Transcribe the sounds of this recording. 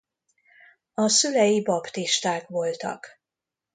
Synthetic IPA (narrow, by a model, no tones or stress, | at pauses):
ɒsylɛjibɒpt̪iʃt̪aːkʋo̞lt̪ɒ̰k